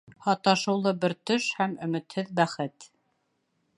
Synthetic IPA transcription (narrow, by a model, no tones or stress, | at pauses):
hɑt̪ɑʃɤ̆wlˠɤbɘɾt̪ɵʃhæmɵ̆mɘ̆t̪hɘðbæχɘt̪